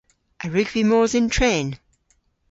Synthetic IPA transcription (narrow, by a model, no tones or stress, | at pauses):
ʔəɹʉɡv̥imɔːzɪ̃ntʰɹẽːn